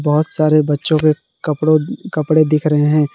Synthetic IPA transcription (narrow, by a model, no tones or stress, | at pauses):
bɐɦʊt̪saːɾebɐtːʃõke | kɐpɽokɐpɽed̪ɪkʰɾɐɦeɦɛ̃ː